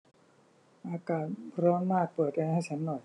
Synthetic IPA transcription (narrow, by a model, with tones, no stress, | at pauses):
ʔaː˧kaː˨˩t̪̚ɾɔː˧nnaː˥˩t̪̚pɤː˨˩t̪̚ʔa˧ha˥˩jt͡ɕʰa˦˥nːɔ˨˩j